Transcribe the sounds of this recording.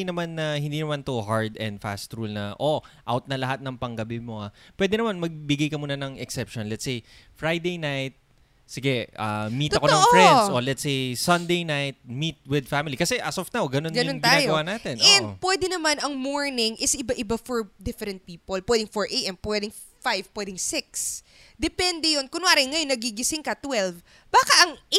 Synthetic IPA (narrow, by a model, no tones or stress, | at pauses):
jnɐmanːɐhɪ̃nd̪iːnɐmant̪uhaɹd̪ɛ̰̃nd̪fa̰st̪ɾulnɐʔoʔawt̪̚nɐlɐɦat̪̚nɐŋpɐŋɡɐbɪmo̞apwɛːd̪ɛnɐmanmɐɡ̚bɪɡajkɐmuːnɐnɐŋɛksɛpʃonlɛt̪sej | fɹajd̪ejnajt̪̚ | sɪɡɛʔammiːt̪ɐkonɐ̃ʔofɹɾɛnsolɛt̪sejsɐnd̪ejnajt̪̚mit̪̚wɪd̪famɪlikɐsɛʔɐsofnawɡɐnonɡɐnonɡt̪ɪaːaːjɡɐwaːnaːt̪ɛnʔɛnd̪̚pwɛd̪ɛnɐmanɐŋmoɹnɪŋʔɪsɪbaʔɪbafoɹd̪ɪfɛɾɛ̃nt̪̚piːpolpwɛd̪ɪŋfoɹʔejt̪ɛnpwɛd̪ɪŋ | fajvpwɛd̪ɪŋsɪks | d̪ɛpɛnd̪ɛjonkʊnaːɾɛŋɐjonːɐɡiɡɪsɪŋkɐt̪wɛlv | baːkɐʔɐŋ